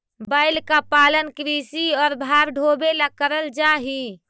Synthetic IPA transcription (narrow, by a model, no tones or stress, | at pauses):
baɪlkapalənkɾisiɔːɾbʱaɾɖʱobelakəɾəld͡ʒaɦi